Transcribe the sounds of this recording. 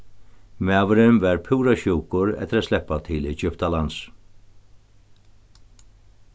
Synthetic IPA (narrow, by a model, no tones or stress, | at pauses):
maːvɪɾɪmvaɾpʰuwɾaɕuwkʊɾɛ̰t̪ːɪɾat̪slɛhpːat̪ʰɪlɛt͡ʃʏpt̪alans